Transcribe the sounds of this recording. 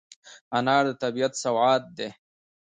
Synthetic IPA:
anɑːɾd̪ət̪abijat̪sawʕaːt̪̚d̪e

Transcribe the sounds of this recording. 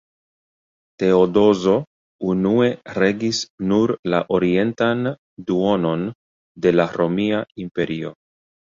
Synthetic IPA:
te̞odo̞zo̞ | unue̞ɾe̞ɡisnuɾla̰ʔo̞ɾie̞ntan | duo̞no̞n | de̞laɾo̞miaimpe̞ɾio̞̰

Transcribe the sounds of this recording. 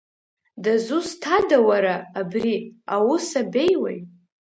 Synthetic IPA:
dazustʰadawaɾaːbriawusabe̞jwa̰j

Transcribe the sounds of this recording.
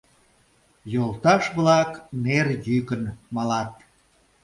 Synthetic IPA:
jolˠt̪ɑʃβlɑknerjykənmɑlɑt̪̚

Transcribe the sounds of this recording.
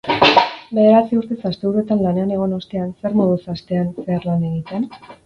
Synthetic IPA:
be̞ðe̞ɾat͡siuɾt̪esast̪euɾue̞t̪anlane̞ane̞ɣ̞o̞no̞st̪e̞anse̞ɾmoðusast̪e̞anse̞arlane̞ɣit̪e̞n

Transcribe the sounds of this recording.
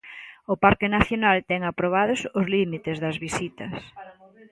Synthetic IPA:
ʊpaɾkɪnaθjonalt̪ɛŋapɾoβ̞að̞ʊsʊzlimit̪ɪzðɐzβisit̪ɐs

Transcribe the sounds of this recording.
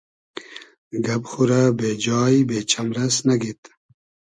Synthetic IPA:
ɡɐbxuɾabeːd͡ʑaːjibeːt͡ɕʰɐmɾɐsnɐɡit̪

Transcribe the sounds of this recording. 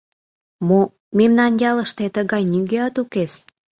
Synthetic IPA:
mo | memnɑnjɑləʃt̪et̪əɣɑjnyɡeɑt̪ukes

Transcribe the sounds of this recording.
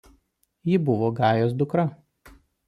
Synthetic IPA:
jɪbʊʋoːɡɑːjoːs̬d̪ʊkɾɐ

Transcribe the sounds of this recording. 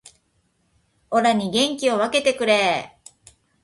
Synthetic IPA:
o̞ɾaɲ̟iɡẽ̞ŋkʲio̞βake̞t̪e̞kɯ̟ɾe̞

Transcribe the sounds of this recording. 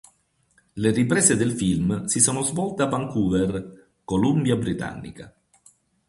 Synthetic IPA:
leripɾɛːsed̪elfilmsisɔːnozvɔlt̪eapːaŋkuːver | kolumbjabɾit̪a̰nːḭka̰

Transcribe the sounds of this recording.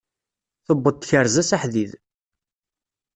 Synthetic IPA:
θəbːəd̪̚çəɾzæsaħðið

